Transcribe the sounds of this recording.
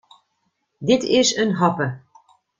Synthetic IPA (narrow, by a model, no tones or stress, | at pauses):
d̪it̪ʰeʃɘ̆nɦɑpə̆